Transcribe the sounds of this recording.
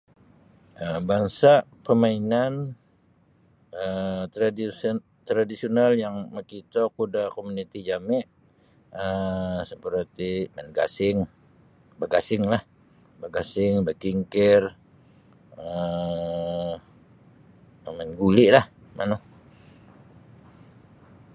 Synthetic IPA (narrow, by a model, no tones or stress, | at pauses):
ʔəbaŋsaʔpəmainan | ət̪ɾadi | t̪ɾadisionaljaŋməkit̪okudakomunit̪id͡ʒamɪʔ | əsəpəɾat̪imanɡa̰sɪŋ | bəɡasɪŋlah | bəɡasɪŋbəkiŋkɪr | ə | amɛnɡulɪʔlah | mʔa̰no